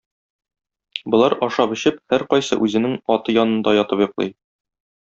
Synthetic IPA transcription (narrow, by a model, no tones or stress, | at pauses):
bŏlˠɑɾɒʃɑpɵ̆ɕɘp̚hæɾqɒjsɤ̰ʔʉzɘ̆nɘŋɒt̪ɤjɒnɤ̆nd̪ɑjɒt̪ɤpjŏqlˠɤ̰j